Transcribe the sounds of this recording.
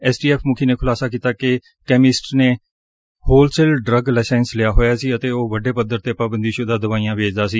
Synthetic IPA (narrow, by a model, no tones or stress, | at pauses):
ɛːsʈiːɛːpʰmʊkʰiːneːkʰʊlaːsaːkiːt̪aːke | kɛːmɪsʈneː | hoːlsɛːlɖɾəɡlaːsɛːnslɪjaːɦoːjaːsiːət̪eːoːʋəɖeːpəd̪əɾt̪eːpaːbənd̪iːʃod̪ãːd̪əʋaːijãːʋeːd͡ʒd̪aːsiː